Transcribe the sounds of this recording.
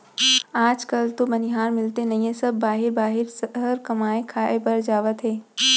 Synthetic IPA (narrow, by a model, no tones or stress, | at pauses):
aːd͡ʒkɐlt̪obɐnɪɦaːɾmɪlt̪enɐɦĩẽsɐbːaːɦɪɾbaːɦɪɾsɦəɾkɐmaːekʰaːebɐɾd͡ʒaːʋət̪ɦɛː